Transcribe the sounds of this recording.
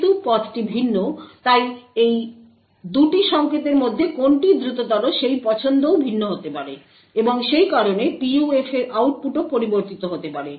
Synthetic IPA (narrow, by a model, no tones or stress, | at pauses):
t̪upɔt̪ʈibʱinːot̪ajej | d̪uʈiʃɔŋket̪eɾmod̪ʱːekonʈid̪ɾut̪od̪ɔloʃejpɔt͡ɕʰond̪owbʱinːoɦot̪epaɾe | eboŋʃejkaɾonepiuefeɾʔawʈ̚puʈopoɾiboɾt̪it̪oɦot̪epaɾe